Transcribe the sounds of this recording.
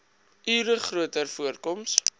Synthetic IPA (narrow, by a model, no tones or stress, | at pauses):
yːɾəχruətərfuərkɔms